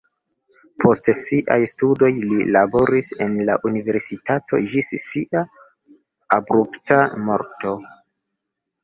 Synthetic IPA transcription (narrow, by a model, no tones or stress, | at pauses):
pʰo̞stsiʔa̰jstudo̞jlilabo̞ɾise̞nla̰ʔunive̞ɾsitatʰo̞̰d͡ʒissiʔa | abɾuptamo̞̰ɾto̞